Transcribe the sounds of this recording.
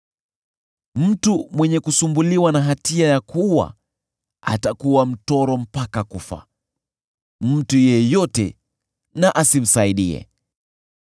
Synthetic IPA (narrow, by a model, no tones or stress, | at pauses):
m̩tumwɛɲɛkusumbuliwanaɦatiajakuwa̰ | a̰takuwam̩tɔɾɔm̩pakakufa̰ | m̩tujɛjɔtɛ̰ | naʔasim̩saiɗiɛ̰